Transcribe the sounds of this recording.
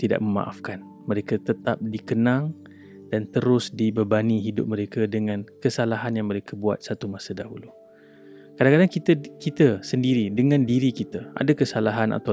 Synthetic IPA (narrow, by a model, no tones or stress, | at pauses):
t̪ida̰ʔ̚məma̰ʔafkan | məɾekət̪ət̪ap̚dikənaŋ | dant̪əɾʊsdibərbaniɦidʊ̰p̚məɾekədəŋãnkəsalaɦanjaŋməɾekʰəbua̰t̪̚sat̪umasədaɦulu | kadaŋkadaŋkit̪əkit̪əsəndiɾidəŋãndiɾikit̪əa̰dakəsalaɦana̰t̪a